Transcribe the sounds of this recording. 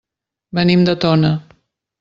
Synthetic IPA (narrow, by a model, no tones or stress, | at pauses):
bənimd̪ət̪onə